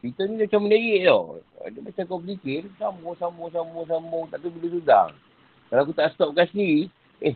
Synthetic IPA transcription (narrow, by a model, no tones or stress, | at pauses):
t̪it̪ɔnidat͡ʃamənaɣeʔt̪o̰dəmat͡ʃakɔblikɪnsamɔsamɔs̬amɔs̬ambʊŋt̪apibəlesuda̰ŋ | kalaak̬ut̪aʔst̪ɔp̚kasi | e